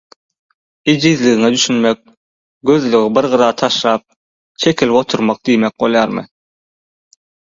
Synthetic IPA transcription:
id͡ʒizliɣiŋed̪yʃynmek̚ | ɡø̞ðlyɣibiɾʁɯɾɑːt̪ʰɑʃlˠɑːp̚ | t͡ʃʰe̞kʰilipo̞t̪ʰuɾmɑq̚d̪ijmek̚ɢolˠjɑːɾmɯ̰

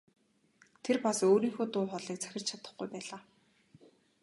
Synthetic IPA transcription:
t̪ʰerpasoːɾiːŋxoːt̪ʊːχɔɮiːk̚t͡sʰæ̥xʲɪ̆r̥t͡ɕʰat̪ə̥̆χɡujpæːɮaː

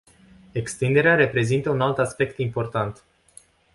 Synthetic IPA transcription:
e̞kst̪ind̪e̞ɾeaɾe̞pɾe̞zint̪əunalt̪aspe̞kt̪impo̞rt̪ant̪

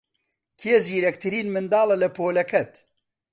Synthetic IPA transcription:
kʰeːziːɾɛkt̪ʰɨɾiːnmɨnd̪ɑːlɐlɐpʰoːlɛkʰɛt̪

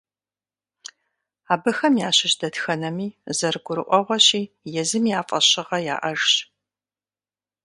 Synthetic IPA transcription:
aːbɨxɐmjaːɕɪɕdɐtxɐnɐmiːzɐrɨɡʷʊɾɨ̰ʔʷɔʁʷɔɕiː | jɛzɨmijaːfʼɐɕɪʁɐja̰ːʔɐʒɕ

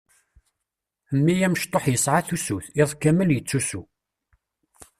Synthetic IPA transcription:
əmːijæməʃt̪ˤoħjəsʕaθusuθɪðˤkːæmːəljət͡sːusu

